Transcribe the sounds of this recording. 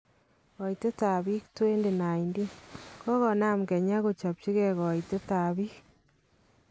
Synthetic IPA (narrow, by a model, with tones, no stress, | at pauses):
ɔ˨i˨te˦ta˨βi˦ktwe˦nde˨na˨i˨ndi˦kɔ˦ɣɔ˨na˦mɡe˨ɲa˦ɣo˨t͡ʃa˨p̚t͡ʃi˦ɣe˦˨ɣɔ˨i˨te˦ta˨βi˦k